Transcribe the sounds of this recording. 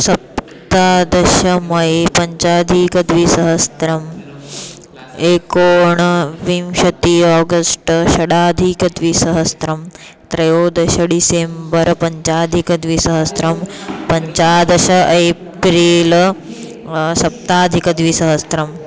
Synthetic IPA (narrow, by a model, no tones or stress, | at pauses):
sɐp̚ | t̪aːd̪ɐʃɐmɐjpɐɲt͡ʃaːd̪ʱikɐd̪ʋisɐɦɐst̪ɾɐm | eːkoːɳɐʋimʃɐt̪iɔːɡɐsʈʃɐɽaːd̪ʱikɐd̪ʋisɐɦɐst̪ɾɐm | t̪ɾɐjoːd̪ɐʃɐɖisembɐɾpɐɲt͡ʃaːd̪ʱikɐd̪ʋisɐɦɐst̪ɾɐmpɐɲt͡ʃaːd̪ɐʃɐʔɐj | pɾeːl | sɐp̚t̪aːd̪ʱikɐd̪ʋisɐɦɐst̪ɾɐm